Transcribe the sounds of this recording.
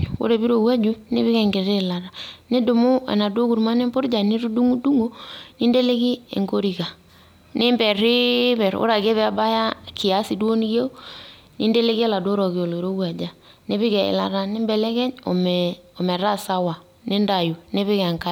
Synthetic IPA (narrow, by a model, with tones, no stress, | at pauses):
o̰˦ɾe˨βi˦ɾo˨wa˦d͡ʒu˦ne˦βɪ˦kɛ˨ŋɡe˨ɾe˦˨la˨ɾa˨ne˦do˨mo˦ḛ˨na˨do˦ku˨ɾma˦ne˦mbo˦ɾd͡ʒa˨ni˦ɾu˦du˦ŋu˦du˦ŋo˦ni˦nde˦le˦ki˦ḛ˨ŋɡo˦ɾi˨ka˨ | ne˦mbɛ˨ri˦βɛ˨ɾo̰˦ɾa˨ke˦βɛ˦a˦ba˦ja˦ki˨a˦si˨dwo˦n˦kje˦u˦ | ni˦nde˦le˦ki˦ɛ˦la˨do˦ɾɔ˨ki˨o˨lo˨ɾo˦wa˨d͡ʒa˨ | ne˦βɪ˦ɣɛ˨ḛ˨la˨ɾa˨ne˦mbɛ˨lɛ˦kɛ˦ɲo̰˨mo˨mɛ˨ɾa˦sa˦wa˨ | ne˦nda˨ju˨ne˦βɪ˦kɛ˨ŋka˦